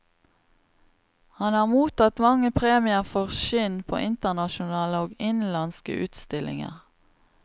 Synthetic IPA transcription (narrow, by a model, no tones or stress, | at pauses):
hɑnhɑːʁmuːt̪ɑt̪mɑŋəpʰʁeːmɪəʁfɔʁʃɪnpʰo̰ːʔɪnt̪əʁnɑʃʊnɑːləoːɡɪnlɑnskə̰ʔʉ̰ːt̪st̪ɪlʔɪ̰ŋə̰ʁ